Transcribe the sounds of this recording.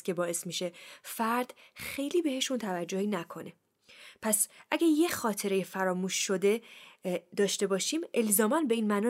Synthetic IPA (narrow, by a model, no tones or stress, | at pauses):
cʰʲe̞bɒːe̞smiʃe̞fæɾd̪̥xe̞jliːbe̞he̞ʃunt̪ʰævæd͡ʒːohiːnækʰo̞ne̞ | pʰæsʔæɟæɾjexɒːt̪ʰe̞ɾejefæɾɒːmuːʃːo̞d̪e̞ | d̪ɒːʃt̪e̞bɒːʃiːmʔe̞lzɒːmænbe̞iːnmænɒ